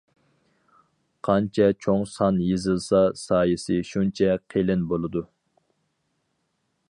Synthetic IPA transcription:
qʰɑnt͡ʃʰɛt͡ʃʰoŋsɑnjezɨlˠsɑsɑːjɨsɪʃunt͡ʃʰɛqʰelɪnbolˠɨd̪u

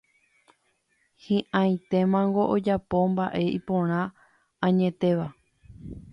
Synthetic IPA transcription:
hĩʔãj̃t̪e̞mãŋɡo̞ʔod͡ʒapo̞mbaʔe̞ʔipõ̞ɾ̃ã | ãɲẽ̞t̪e̞ʋa

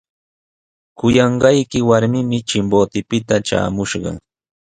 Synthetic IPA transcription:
kʊjɑɴɢɑjkɪwaɾmɪmɪt͡ʃɪmboːt̪ɪpɪt̪at͡ʃa̰ːmʊʃɢɑ̰

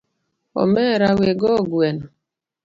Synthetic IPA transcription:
ɔ̰mɛɾaweɡɔɡuɛnɔ

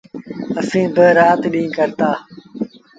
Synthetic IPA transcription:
əsĩːbəɾaːt̪ɗĩːkəɾt̪aː

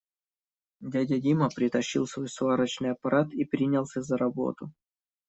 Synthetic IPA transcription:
dʲadʲadʲiməpɾʲɪt̪ɐɕːḭlˠsvo̞jsvaɾət͡ɕnɨjɐpɐɾʔat̪ipɾʲinʲɪlˠsʲazəɾɐbo̞̰t̪ʊ

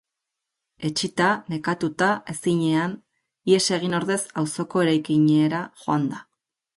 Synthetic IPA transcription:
e̞t͡ʃit̪ane̞kat̪ut̪ae̞siɲe̞an | ie̞se̞ɣ̞ino̞ɾðe̞sawso̞ko̞e̞ɾajkiɲeːɾaʝo̞and̪a

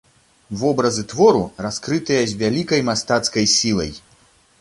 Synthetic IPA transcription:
vɔbɾɐzɨt̪vɔɾuraskɾɨt̪ɨjɐzʲvʲalʲikɐjmast̪at̪skɐjsʲilˠɐ̰j

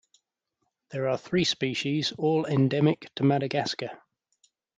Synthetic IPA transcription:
ðəɹəθɹiːspiˑʃiz̥ɔːlɛ̃ndɛmɪktʰəmaɾəɡaskə

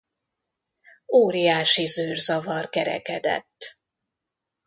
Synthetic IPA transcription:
oːɾijaːʃizyːrzɒvɒrkɛɾɛ̰kɛd̪ɛ̰t̪ː

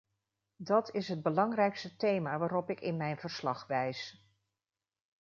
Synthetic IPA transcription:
dɑtɪsɦəd̚bəlɑŋrɛjkstətejmaːʋaːɾɔpɪkɪnmɛjnvəɹslɑχʋɛjs

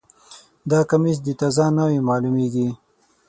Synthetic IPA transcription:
d̪ɑkamisd̪ət̪azɑnawemɑːlumeɡi

